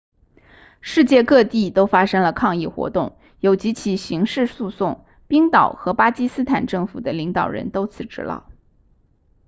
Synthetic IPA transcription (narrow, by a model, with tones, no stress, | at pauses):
ʂɻ̩˥˧t͡ɕjɛ˥˧kɤ˥˧t̪i˥˩t̪o˥ʊfa˥ʂɤ˥ŋlə˨kʰɑ˥˧ŋi˥˩xwɔ̰˧˥t̪ʊ˥˩ŋ | jo˨˩ʊt͡ɕi˧˥t͡ɕʰi˨˩ɕi˧˥ŋʂɻ̩˥˧su˥˧sʊ˥˩ŋ | pi˥ŋt̪ɑ˨˩ʊxɤ˧˥pa˥t͡ɕi˥sɹ̩˥t̪ʰa˨˩nʈ͡ʂɤ˥˩ŋfu˨˩d̪ə˦li˧˥ŋt̪ɑ˨˩ʊɻə̰˧˥nt̪o˥ʊt͡sʰɹ̩˧˩ʈ͡ʂɻ̩˧˥lɑ̰˥˩ʊ